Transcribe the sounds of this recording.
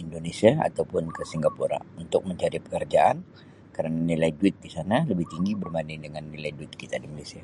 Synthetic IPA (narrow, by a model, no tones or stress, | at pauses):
indonesiaa̰t̪aupʊnkəsiŋɡapuɾa̰unt̪ʊk̚məɲt͡ʃaɾipə̥kərd͡ʒaʔan | kaɾənanilaiduɪt̪̚disanaləbɪht̪iŋɡibərmanɪdəŋanːilajduɪt̪̚kit̪adimalesia